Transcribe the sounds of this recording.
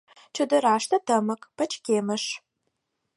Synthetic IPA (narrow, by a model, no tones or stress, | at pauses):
t͡ʃʰɨdɨɾaːʂtʰɐtʰɐmɐkʼpʰɐt͡ʃʼkʲeːmɐʂ